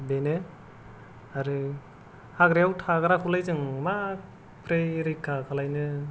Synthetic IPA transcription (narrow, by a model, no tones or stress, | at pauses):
benɯ | aɾɯ | haɡɾejawtʰaɡɯɾakʰulajzɯŋma | pʰɾeɾikʰːakʰalajnɯ